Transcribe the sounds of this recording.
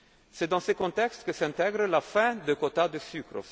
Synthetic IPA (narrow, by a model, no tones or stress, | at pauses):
sɛd̪ɑ̃səkɔ̃t̪ɛkst̪kəsɛ̃t̪ɛɡʁəlafɛ̃d̪əkot̪ad̪əsykɾo̰